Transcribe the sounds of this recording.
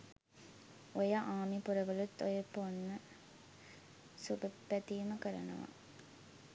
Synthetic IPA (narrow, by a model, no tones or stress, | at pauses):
ojɐʔaːmipuɾɐʋəlut̪ːojəponːə | subepːæt̪iːməkəɾɐ̰nɐ̰ʋa̰